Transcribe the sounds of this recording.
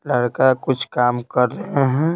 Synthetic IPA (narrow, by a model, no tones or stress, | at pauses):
lɐɽkakʊt͡ʃʰkaːmkɐɾːɐɦeɦɛ̃